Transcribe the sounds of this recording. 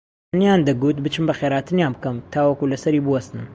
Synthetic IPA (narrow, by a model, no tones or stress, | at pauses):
nijand̪ɐɡut̪bɨt͡ʃɨmbɐxeɾaːt̪ɨnjaːnbɨkɐmt̪ʰaːwɐkulɐsɐɾiːbɨwɐst̪nɨm